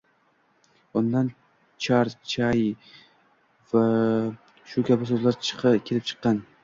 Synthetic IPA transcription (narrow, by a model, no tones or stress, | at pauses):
ʊnd̪an | t͡ʃʰaɾt͡ʃʰaj | va | ʃʊkʲʰabɪs̬ɵzlaɾt͡ʃʰɨ̥qʰɨkʲʰelɪp̚t͡ʃʰɨ̥qːɑn